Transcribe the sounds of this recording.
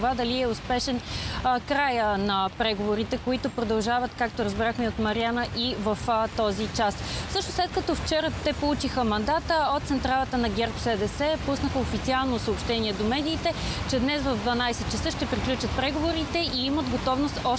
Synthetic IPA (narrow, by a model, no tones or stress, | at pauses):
vad̪ɐliɛʊspɛʃɛnkɾajənɐpɾɛɡovoɾit̪ɛkoit̪opɾod̪ɐlˠʒavət̪kak̚t̪oɾəzbɾaxmɛot̪mɐɾianəʔivɐft̪ɔzit͡ʃassɤʃnoslɛt̪kɐt̪ɔft͡ʃɛɾət̪ɛpolˠut͡ʃixəmɐnd̪at̪əot̪t̪sɛnt̪ɾalˠət̪ənɐɡʲɛɾpsɛd̪ɛsɛpusnəxəofit̪sialˠnosəopʃt̪ɛnʲiɛd̪omɛd̪iːt̪ɛt͡ʃɛd̪nɛsvɐvd̪vɐnajsɛt̪̚t͡ʃɛsɤʃt̪ɛpɾiklʲut͡ʃət̪̚pɾɛɡovoɾit̪ɛʔiiməd̪ɡot̪ɔvnost̪ɔ